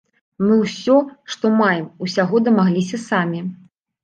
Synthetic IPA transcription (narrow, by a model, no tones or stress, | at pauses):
mɨwsʲɔʂt̪ɔmajɛmusʲaɣɔd̪ɐmaɣlʲisʲɐsamʲi